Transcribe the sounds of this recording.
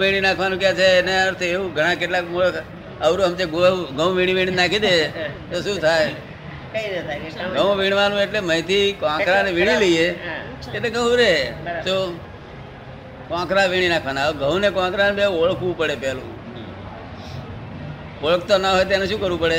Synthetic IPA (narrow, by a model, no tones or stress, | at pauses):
ʋiɽ̃inakʰʋanũkjat͡ʃʰeneaɾt̪ʰeːũɡʱəɽ̃akeʈlakmoɭəkʰ | əʋɾuɦəmt͡ʃeɡɡə̃wʋiɽ̃iʋiɳ̃inakʰid̪et̪oʃũt̪ʰaj | ɡə̃ʋ̃ʋiɳ̃ʋanũeʈleməjt̪ʰikʋãkɾaneʋiɽ̃ileie | etleɡə̃w̃ɾet̪o | kãkɾaʋiɽ̃inakʰʋanaɡə̃ʋnekãkɾanbeoɭkʋũpəɽepɛlṵ̃ | oɭəkt̪onəɦojt̪janeʃũkəɾʋũpəɽe